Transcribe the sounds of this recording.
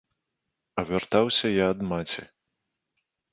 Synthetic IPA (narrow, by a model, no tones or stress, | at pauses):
ɐvʲɛrt̪awsʲɐjaːd̪mat͡sʲḭ